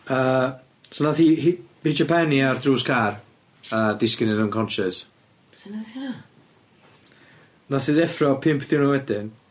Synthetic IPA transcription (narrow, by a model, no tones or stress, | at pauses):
əː | sɔnaθiːhiit͡ʃʰapʰɛniardruːskʰar | ədɪskɪnɪnənkʰɔnʃɪs | snaθina | naθiðɛfrɔpʰɪmpʰdɪwnɔwɛdɪn